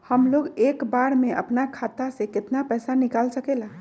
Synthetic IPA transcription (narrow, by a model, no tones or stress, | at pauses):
həmloɡekbaɽmeʔə̰pnakʰat̪asẽket̪napəjsanikalsəkela